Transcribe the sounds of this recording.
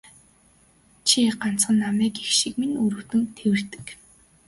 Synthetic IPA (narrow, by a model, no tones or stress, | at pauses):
t͡ɕʰiɢan̥t͡sχə̆nːamæːkixʃikminɵɾuːt̪ɘ̆nt̪ʰewɘ̆r̥t̪ɘ̥̆k